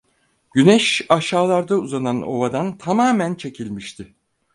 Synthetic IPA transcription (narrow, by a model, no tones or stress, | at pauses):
ɟynɛʃaʃaːlˠaɾd̪auzanano̞̰vad̪ant̪ʰamaːmænt͡ʃʰe̞cʰilʲmiʃt̪ʰɪ